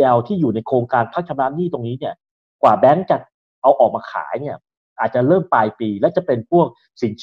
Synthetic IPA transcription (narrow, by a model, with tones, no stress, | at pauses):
ɛ˧wt̪ʰiː˥˩juː˨˩na˧jkʰoː˧ŋkaː˧npʰa˦˥k̚t͡ɕʰa˧mnaː˦˥mniː˥˩t̪o˧ŋniː˦˥ni˥˩ə | kwaː˨˩bɛː˦˥ŋt͡ɕa˨˩t̪̚ | ʔa˧wʔɔː˨˩k̚maː˧kʰa̰ː˩˦jni˥˩ɐ | ʔaː˨˩t̪̚t͡ɕa˨˩ɾɤː˥˩mpaː˧jpiː˧lɛ˦˥wt͡ɕa˨˩pe˧npʰu˥˩ək̚ | si˨˩˦ŋt͡ɕʰ